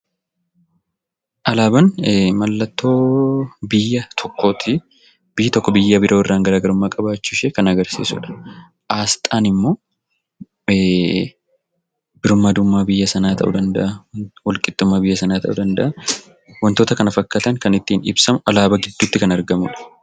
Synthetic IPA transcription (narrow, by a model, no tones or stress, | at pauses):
ʔɐlaːbɐnmɐlːɐt̪ːo̞ːbɪjːɐt̪ʰɔkːoːt̪ʰɪ | b̥ɪjɪt̪ɔkːɔbɪjːɐbɪɾʔo̞ːɪrːaːŋɡɐɾaːɡɐɾʊmːaːkʼɐbaːt͡ʃːɪʃekɐnɐɡɐɾsḭːsʊ̰ᶑɐ̥ | ʔaːst̪ʼaːnɪmːo̞ː | bɪɾʊmːɐaːd̪ʊmːaːbɪjːɐsɐnaːt̪ɐ̰ʔṵd̪ɐnd̪ɐ̰ʔɐwɔlkʼɪt̪ːʊmːaːbɪjːɐsɐnaːt̪ɐ̰ʔṵd̪ɐnd̪ɐʔɐ | wɐnt̪o̞ːt̪ɐkɐnɐfɐkːɐt̪ɐŋkɐnɪt̪ːiːnɪ̰bsɐmʊʔɐlaːbɐɡɪd̪ːuːt̪ːɪkɐnɐɾɡɐmʊᶑɐ̥